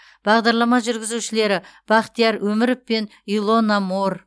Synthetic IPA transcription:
b̥ɑʁd̪ɑɾlˠɑmɑʒʏɾɡʲɪzuʃɪle̞ɾɪb̥ɑχt̪ijɑɾwɵmɪɾɪpːe̞n | ilˠo̞nɑmor

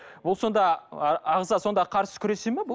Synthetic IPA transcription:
bʊlˠso̞nd̪ɑːʁzɑso̞nd̪ɑqʰɑɾsə̥kʲʰʏɾe̞semebʊ

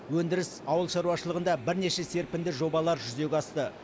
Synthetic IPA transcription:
wɵnd̪ɪɾɪsɑwəlˠʃɑɾuwɑʃəlˠəʁənd̪ɑbɪɾne̞ʃe̞se̞ɾpɪnd̪ɪʒo̞bɑlˠɑɾʒʏze̞ɡʲɑst̪ə

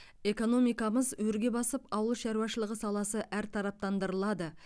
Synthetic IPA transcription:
e̞ko̞no̞mijkɑməzwɵɾɡʲe̞bɑsəpɑwəlˠʃɑɾuwɑʃəlˠəʁəsɑlˠɑsəʔæɾt̪ʰɑɾɑp̚t̪ɑnd̪əɾəlˠɑd̪ə

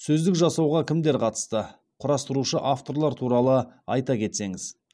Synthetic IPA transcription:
sɵzd̪ɪkʒɑsɑwʁɑkʲʰɪmd̪e̞ɾqʰɑt̪ə̥st̪ə | qʰʊɾɑst̪əɾuʃəʔaft̪o̞ɾlˠɑɾt̪ʰuɾɑlˠəɑjt̪ɑkʲʰe̞t̪se̞ŋɪz̥

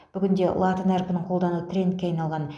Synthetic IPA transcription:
b̥ʏɡʲɪnd̪e̞lˠat̪ənæɾpʲɪnəɴqʰo̞lˠd̪ɑnuət̪ʰrʲe̞nt̪̚kʲeɑjnɑlˠʁɑn

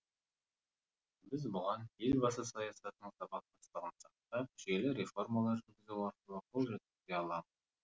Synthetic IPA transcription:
bɪzbʊʁɑnje̞lʲbɑsəsɑjɑsɑt̪ənəɴsɑbɑq̚t̪ɑst̪əʁənsɑq̚t̪ɑp̚ʒelɪɾe̞fo̞rmɑlˠɑɾʒɪt̪ɡʲɪzuwɑɾqəlˠəqʰo̞lˠʒet̪ɪd̪eɑlˠɑməz

